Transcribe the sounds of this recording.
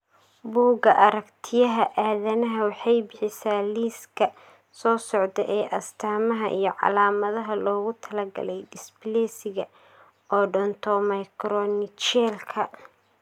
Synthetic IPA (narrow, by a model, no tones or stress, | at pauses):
buːɡɐʔɐɾɐkt̪ʰɪjɐɦɐʔaːðɐnɐɦɐwɑħɑjbɪħɪsaːliːskʰɐ | sɔːsɔʕd̪ɛʔɛːʔɐst̪ʰaːmɐɦɐʔḭjɞʕɑ̰laːmɐðɐɦɐlɔːɣʊt̪ʰɐlɐɡɐ̰lɛjdɪsblɛːsɪɣɐ | ɔːɖɔnt̪ʰɔmɐjkɾɔnɪt͡ʃɛːlkʰɐ